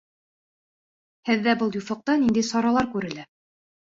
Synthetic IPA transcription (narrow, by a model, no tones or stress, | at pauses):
hɘ̆ðːæbɤlˠjufɤ̆q̚t̪ɑnind̪æjsɑɾɑlˠɑɾkʉɾɘ̆læ